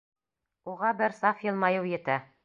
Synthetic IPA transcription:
uʁɑbɘɾsɑfjɤlˠmɑjɤwjɘ̆t̪æ

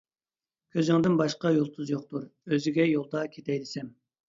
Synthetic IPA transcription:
kʲʰøzɪŋd̪ɪnbɑʃqɑjolˠt̪ʰuzjoq̚t̪ʰuɾøzɪɡʲɛjolˠd̪ɑkʲʰet̪ʰɛjd̪ɪsɛm

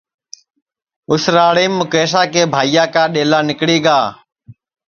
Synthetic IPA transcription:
ʊsɾaːɽiːmːʊkeːs̬aːkeːbʱaːijaːkaːɗeːlaːnɪkɽiːɠaː

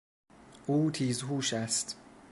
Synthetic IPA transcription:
ʔuːt̪ʰiːzɦuːʃæst̪

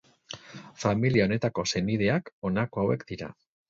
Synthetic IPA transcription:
familiao̞ne̞t̪ako̞se̞niðe̞ako̞nako̞awe̞kd̪̥iɾa̰

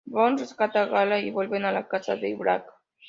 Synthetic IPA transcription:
bɔnzəskat̪aɣalaiβɔlβenalakat͡sa̰t̪eiβɾa̰k

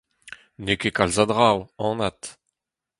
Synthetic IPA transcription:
nekekalzad̪ʁawɑ̃nat̪

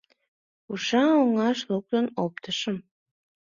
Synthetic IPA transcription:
uʃɑoŋɑʃluk̚t̪ənop̚t̪əʃəm

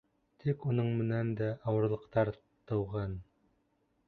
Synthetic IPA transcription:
t̪ʰikunɤɴmɘ̆nænd̪æʔɑwɤ̆ɾlˠɤ̆qt̪ɑɾ | t̪ɤ̆wʁɑn

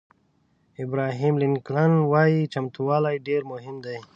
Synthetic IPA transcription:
ɪbɾɑːɦimlɪnklanwɑjit͡ʃamt̪uwɑːlajɖeɾmʊɦɪmd̪aj

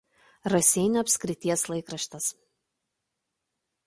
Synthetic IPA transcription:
ɾɐsʲɛɪnʲoɐpʲsʲkʲɾʲɪt̪ʲiɛslˠɐɪkɾɐʃʲt̪ʲɐs

